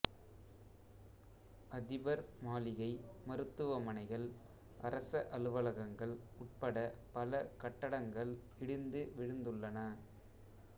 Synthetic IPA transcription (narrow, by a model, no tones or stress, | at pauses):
ɐðɪbɐɾmaːlɪɣɐɪmɐɾɯt̪ːɯʋɐmɐnɐɪɣɐɭ | ʔɐɾɐsɐʔɐlɯʋɐlɐɣɐŋɡɐɭʊʈ̚pɐɽɐpɐlɐkɐʈːɐɽɐŋɡɐɭ | ɪɽɪnd̪ɯʋɪɻɯnd̪ɯɭːɐnɐ